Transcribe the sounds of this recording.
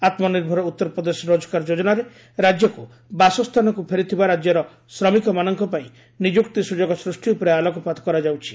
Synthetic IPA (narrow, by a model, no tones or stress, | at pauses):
at̪mɔniɾbʱɔɾɔut̪ːɔɾɔpɾɔd̪esɔɾod͡ʒɔ̥kaɾd͡ʒod͡ʒɔnaɾe | ɾad͡ʒjɔku | basɔst̪ʰanɔkupʰeɾit̪ʰibaɾad͡ʒjɔɾɔ | sɾɔmikɔmanɔŋkɔpaĩ | nid͡ʒukt̪isud͡ʒɔɡɔsɾusʈiupɾealɔkɔpad̪ɔkɔɾad͡ʒawt͡ʃʰi̥